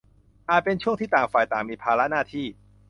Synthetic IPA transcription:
ʔaː˨˩t̪̚pe˧nt͡ɕʰu˥˩əŋt̪ʰiː˥˩t̪aː˨˩ŋfaː˨˩jt̪aː˨˩ŋmiː˧pʰaː˧la˦˥naː˥˩t̪ʰiː˥˩

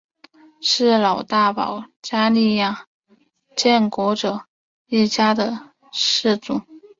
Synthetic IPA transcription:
ʂɻ̩˥˩lɑ˨˩ʊt̪a˥˩pɑ̰˨˩ʊt͡ɕja˥li˥˧ja˥˩ | t͡ɕjɛ˥˩nkwɔ˧˥ʈ͡ʂɤ˨˩˦ | i˥˩t͡ɕja˥d̪ə˨ | ʂɻ̩˥˧t͡su˨˩˦

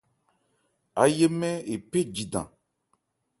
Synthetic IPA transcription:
a˨je˦mɛ̃˦e˨pe˦d͡ʑi˨ɖã̰˨

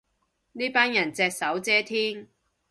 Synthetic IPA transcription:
niː˥paː˥njɐ˨˩nt͡sɛː˧k̚sɐ˨˥wt͡sɛː˥t̪ʰiː˥ŋ

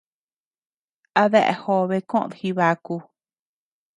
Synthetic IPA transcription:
a˧ðe˦˧ʔḛ˨˧ho˧βe˧kõ˦ʔõ̰˨ðhi˧βa˧ku˧

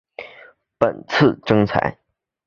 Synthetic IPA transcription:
pə˨˩nt͡sʰɹ̩˥˩ʈ͡ʂɤ˥ŋt͡sʰa̰˧˥ɪ

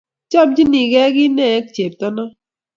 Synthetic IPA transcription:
t͡ʃɔ˦b̚d͡ʒi˦ni˨ɡɛ˦ɡɪ˦nɛ˦˨˦k̚t͡ʃe˨p̚tɔ˦nɔ˦

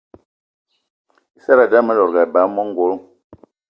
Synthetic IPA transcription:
i˦sa˦ɾa˨da˦ma˦lɔ˨ɾɡa˨ba˨˦mɔ˦ŋ˦ɡo˨˦l

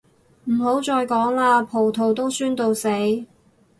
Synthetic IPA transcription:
m̩˨˩ɦo˨˥wt͡sɔː˧jkɔː˨˥ŋlaː˧pʰo˨˩wt̪ʰo˨˩wt̪o˥wsyː˥nt̪o˧wse˨˥j

